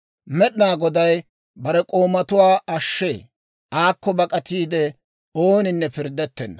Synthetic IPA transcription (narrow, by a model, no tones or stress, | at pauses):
mɛɗɪnaːɡɔd̪ɐj | bɐɾɛkʼo̞ːmɐt̪ʊwaːɐʃːḛː | ʔaːkːɔbɐkʼɐt̪iːd̪ɛ | oːnɪnːɛpɪɾd̪ːɛt̪ːɛnːɐ